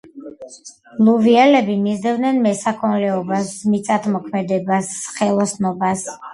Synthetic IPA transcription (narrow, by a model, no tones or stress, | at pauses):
lˠuviɛlɛbimizd̪ɛvd̪nɛnmɛsakʰɔnlɛɔbasmit̪sʼat̪ʰmɔkʰmɛd̪ɛbasχɛlˠɔsnɔbas